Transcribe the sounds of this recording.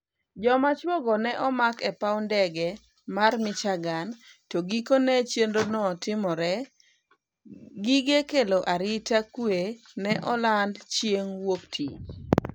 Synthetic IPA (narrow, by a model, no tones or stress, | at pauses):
d͡ʒɔmat͡ʃwɔɡɔnɛʔɔmakɛpaʊndɛɡɛ | marmɪt͡ʃaɡantoɡikonɛt͡ʃjendonɔtɪmɔɾɛ | ɡiɡekeloʔaɾɪtakwe | nɛʔɔlandt͡ʃjeŋwoktʰit͡ʃ